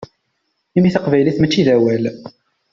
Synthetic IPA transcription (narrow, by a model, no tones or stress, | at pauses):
imiθəqvæjliθmət͡ʃːiðæwæl